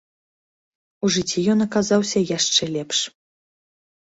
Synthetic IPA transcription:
uʐɨt͡sʲːijɔnɐkazawsʲɐjaʂt͡ʂɛlʲɛpʂ

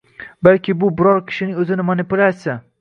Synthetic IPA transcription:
balkʲɪbʊbɪɾɒɾkʲʰɪ̥ʃɪnɪŋɵzɪnɪmanɪpʊlʲasɪ

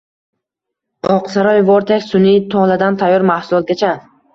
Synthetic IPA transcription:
ɒqsaɾɒjvɒɾt̪ʰakʲsʊnit̪ʰɒlad̪ant̪ʰajːɒɾmahsʊlˠɒt̪̚ɡʲat͡ʃʰa

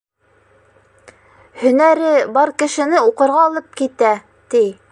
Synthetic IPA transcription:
hɵ̆næɾɘbɑɾkɘ̆ʃɘ̆nɘuqɤ̆ɾʁɑːlˠɤp̚kit̪æ | t̪i

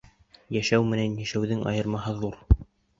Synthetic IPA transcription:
jæʃæwmɘ̆nænjæʃæwðɘŋʔɑ̰jɤ̆ɾmɑɦɤðuɾ

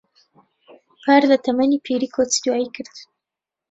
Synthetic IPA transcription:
paɾd̪ət̪amanipʰiɾikʰot͡sd̪wajkəɾt̪

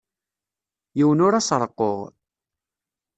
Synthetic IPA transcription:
jiwənʊɾasɾˤəqːoʁ

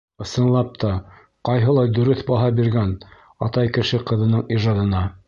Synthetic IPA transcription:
ɤ̆sɤ̆nlˠɑp̚t̪ʰɑ | qɑjɦɤ̆lˠɑjd̪ɵ̆ɾɵθbɑɦɑbiɾɡæn | ɑ̰t̪ɑjkɘ̆ʃɘqɤ̆ðɤ̆nɤɴiʒɑd̪ɤ̆nɑ

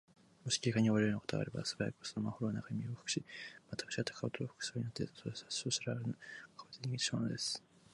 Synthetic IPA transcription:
moɕi̥kʲiikaɲ̟ioaɾejonako̞t̪oɡa̰ɾe̞ba̰sɨbaɾa̰kosomaho̞ɾonakaɲmʲioɸɯ̥kɯ̟̥ɕimat̪ḁkɯ̥ɕikat̪ḁkʰat̪ooɸɯ̥kɯ̟̥soːɲinot̪ːesosɨɾaɾɯnkʰat̪eɲʲiɡit̪monod̪esɨ̥

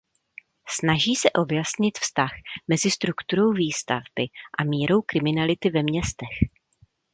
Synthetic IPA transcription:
snaʒiːsɛʔo̞bjasɲɪt̪fst̪axmɛzɪst̪ɾukt̪uɾo̞wviːst̪a̰vbɪʔamiːɾo̞wkɾɪmɪnalɪt̪ɪvɛmɲɛst̪ɛx

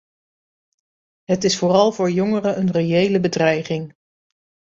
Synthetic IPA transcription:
ɦətɪsfʊːrɑlˠvʊːɹjɔŋərəənrejejləbədrɛjχɪŋ

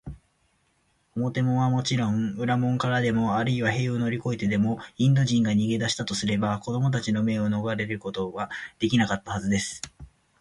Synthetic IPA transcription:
omo̞t̪e̞mo̞βamo̞t͡ɕiɾõ̞ŋɯ̟ɾamõ̞ŋkaɾad̪e̞mo̞aɾɯ̟iβaɦe̞ːono̞ɾʲiko̞it̪e̞d̪e̞mo̞ĩnd̪o̞ʑĩŋɡaɲ̟iɡe̞d̪aɕi̥t̪at̪o̞sɨɾe̞bako̞d̪o̞mo̞t̪̬at͡ɕino̞me̞o̞no̞ɡaɾe̞ɾɯ̟ko̞t̪oɡad̪̥e̞kʲinakat̪ːahazɨd̪e̞sɨ̥

